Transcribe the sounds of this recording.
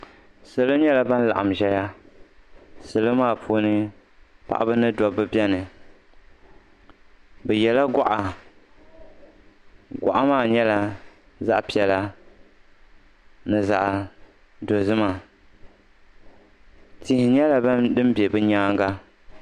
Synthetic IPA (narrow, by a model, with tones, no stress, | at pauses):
sɨ˨lo˦ɲɛ˦la˨ba˦n˦la̰˨ʔa˨m˨ʒɛ˦ja˦ | sɨ˨lo˦maː˦˨pʰuː˦nɨ˦ | pa̰˦ʔa̰˦bɨ˦nɨ˦dɔ˨bɨ˦bjɛ˦nɨ˨ | bɛ˨jɛ˨la˦ɡa˦ʔa˨ | ɡʷa̰˨ʔa˦maː˦˨ɲɛ˦la˨ | za˦ʔpi˨ɛ˨la˦ | nɨ˨za˨ʔ | do˨zɨ˦ma˨ | ti˨hɪ˨ɲɛ˦la˨ba˦dɨ˦m˦bɛ˨bɨ˦ɲaː˦ŋ˦ɡa˦